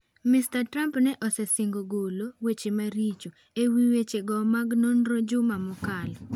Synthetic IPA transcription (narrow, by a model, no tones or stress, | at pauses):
mistatɾampnɛʔɔsɛsɪŋɡoɡolowet͡ʃemaɾit͡ʃo | ewiwet͡ʃeɡɔmaɡnonɾod͡ʒʊmamʊkalɔ